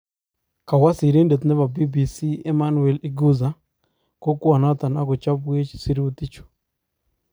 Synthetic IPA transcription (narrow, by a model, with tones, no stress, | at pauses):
ka˨wa˦si˨ɾe˦nde˨t̪nɛ˦βa˨bi˦bi˨si˦ɛ˦ma˦nu˨ɛ˨li˦ɡu˦za˨ | ko˦kwa˨na˦t̪a˨na˦kɔ˨t͡ʃa˦pwe˦t͡ʃsi˦ɾi˦o˦t̪i˦t͡ʃo̥˨